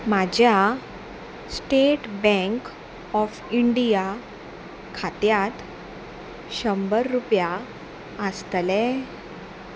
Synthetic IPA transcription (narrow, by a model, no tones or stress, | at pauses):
mad͡ʑʱja | sʈeʈbɛ̃ŋk | ɔf | iɳɖija | kʰat̪jat̪ | ɕəmbəɾːupja | əst̪lɛ